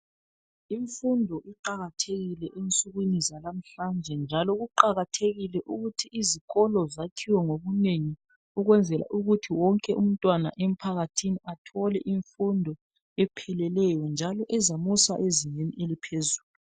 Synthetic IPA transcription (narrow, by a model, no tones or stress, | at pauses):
iɱfundʱɔʔiǃaɣatʰeɣilɛʔent͡sʼuɣwinizalam̩ɬand͡ʒʱɛnd͡ʒʱalɔɣuǃaɣatʰeɣilɛʔuɣutʰiʔːziɣɔlɔzatʰiwɛŋoɣuneŋi | uɣwɛnd͡zʱɛla̰ʔuɣutʰiwɔŋkʼɛʔum̩tʼwana̰ʔem̩pʰaɣatʰiniatʰɔlɛʔiɱfundʱɔ | ɛpʰɛlɛlɛjɔnd͡ʒʱalɔʔɛzamusa̰ʔeziɲeniʔelipʰezuːlu